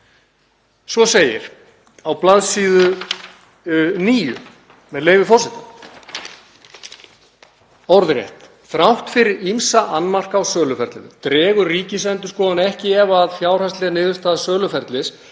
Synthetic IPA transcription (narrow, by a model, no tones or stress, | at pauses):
svɔseːjɪ̰ɾ̥ | awplaðsiːðʏ | niːjʏ̰ | mɛðleːjvɪfɔr̥sɛt̪a | ɔwɾðɾjɛ̰ht̪ | θɾawht̪fɪɾɪɾimsaʔanːmar̥kaːwsœːlʏfɛɾt̪lɪnɪt̪ɾɛːɣʏriːcɪsɛnt̪ʏskɔːðanɛhcɪɛvaːðfjaːwr̥ast̪lɛɣanɪːðʏst̪aːðasœːlʏfɛɾt̪lɪs